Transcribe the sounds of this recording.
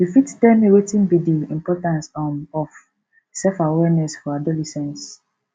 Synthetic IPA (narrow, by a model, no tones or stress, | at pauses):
difitdɛmewetĩnbidiĩmpɔtãnsamɔf | sɛfawɛnɛsfɔadɔlisɛ̃ns